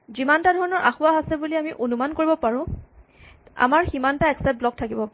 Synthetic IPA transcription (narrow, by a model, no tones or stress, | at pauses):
zimantadʱɔɹɔnɔɹʔaxʊwaɦasɛbuliamiʔonumankoɹibɔpaɹʊ̃ | a̰maɹximantaɛksɛt̚blɔk̚tʰakibɔpa